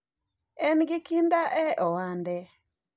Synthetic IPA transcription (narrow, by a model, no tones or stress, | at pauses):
ɛnɡɪkindaʔɛʔɔwandɛ